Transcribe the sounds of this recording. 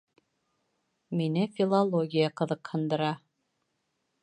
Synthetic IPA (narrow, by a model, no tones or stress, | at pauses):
minɘfʲilˠolˠoɡʲijaqɤ̆ðɤqhɤ̆nd̪ɤ̆ɾɑ